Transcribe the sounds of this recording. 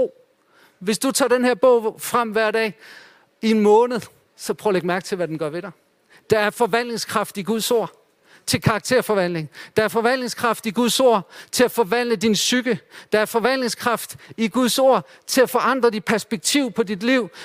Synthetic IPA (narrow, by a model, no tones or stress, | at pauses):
ʋe̝sd̥ut͡sʰɑ̰̈ːd̥enheɐ̰b̥ɔʊ̰fʁɑm̰ʋæɐ̰d̥ɛ̰ː | ie̝nmɔ̽ːnəð̞̩ˠ | sɒ̽pʰʁɔʊɐleɡ̥mæɐɡ̥t͡sʰe̝ʋæd̥enɡ̥ɶɐʋe̝ɾɑ̈ɪ | d̥ɑ̈æɐfɒ̽ʋæn̰le̝ŋskʰʁɑ̈fd̥iɡ̥uð̞ˠso̝ɐ̰ | t͡sʰe̝lkʰɑ̈ːɡ̥̚t͡sʰe̝ɐ̰fɒ̽ʋæn̰le̝ŋd̥ɑ̈æɐfɒ̽ʋæn̰le̝ŋskʰʁɑ̈fd̥iɡ̥uðˠso̝ɐ̰t͡sʰe̝læfɒ̽ʋæn̰dəd̥insyɡ̥əd̥ɑ̈æɐfɒ̽ʋæn̰le̝ŋskʰʁɑ̈fd̥iɡ̥uðˠso̝ɐ̰ | t͡sʰe̝læfɒ̽ʔɑ̈n̰d̥ʁɐd̥i̥pʰæɐsb̥eɡ̥̚t͡sʰiʊ̰pʰɒ̽did̥liʊ̰